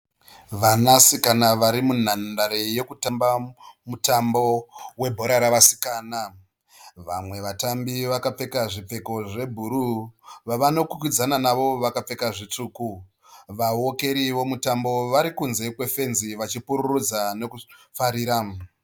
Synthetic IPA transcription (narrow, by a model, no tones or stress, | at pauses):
ʋanasikanaʋaɾimun̤andaɾeje̞kutambamutambo̞we̞bʱo̞ɾaɾaʋasi̥kaːna | ʋamwe̞ʋatambiʋakap͡fe̞kaʐip͡fe̞ko̞ʐe̞bʱuɾuʋaʋano̞kukid͡zananaʋo̞ʋakap͡fe̞kaʐit͡ʂuːku | ʋawoke̞ɾiʋo̞mutambo̞ʋaɾikunze̞kwe̞fe̞nziʋat͡ʃipuɾurud͡zane̞kufaɾiːɾa